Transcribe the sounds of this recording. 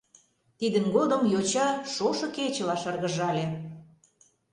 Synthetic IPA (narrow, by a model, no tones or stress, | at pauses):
t̪id̪ə̆nɡod̪ə̆mjot͡ɕɑʃoʃɤ̆ket͡ɕə̆lɑʃɑrɣə̆ʒɑlʲe